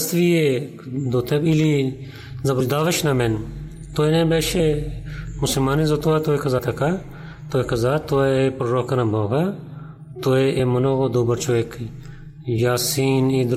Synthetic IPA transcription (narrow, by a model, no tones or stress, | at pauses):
st̪ʋie | d̪oːt̪ʰebili | zɐbud̪aːʋɐʃnɐmen | t̪oːenẽbeːʃe | musɐlmaːnizot̪oat̪oekʰɐzaːt̪ʰɐka | t̪oːekʰɐzaːt̪oeepɾoɾoːkɐnɐboːɡa | t̪oeʔemɐnoːɣod̪oːbɐɾt͡ʃʰoːekʰ | jaːsiːnid̪